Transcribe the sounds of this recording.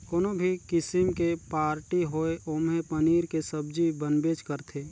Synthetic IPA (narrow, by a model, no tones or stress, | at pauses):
koːnobʱikɪsɪmkepaːɾʈiɦoːeʔoːmẽpəniːɾkesəbd͡ʒibənbeːt͡ʃkəɾt̪ʰeː